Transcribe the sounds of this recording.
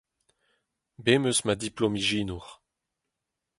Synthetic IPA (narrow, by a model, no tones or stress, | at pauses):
bemøsmad̪iplɔmiʒiːnuʁ